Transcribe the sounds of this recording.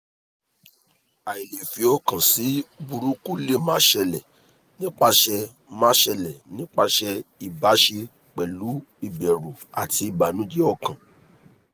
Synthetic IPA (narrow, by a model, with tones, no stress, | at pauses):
a˨i˨le˨fi˧˦ɔ˧kã˨si˨˦bu˧ɾu˦ku˦le˦mã˦ʃɛ˧lɛ˨ | nĩ˦k͡pa˧ʃɛ˧ | mã˦ʃɛ˧lɛ˨nĩ˦k͡pa˧ʃɛ˧i˨ba˨˦ʃe˧ | k͡pɛ˨lu˨˦i˦˨bɛ˨ɾu˨a̰˨ti˧i˨ba˨nũ˨˦d͡ʒe˦ɔ˦˨kã˨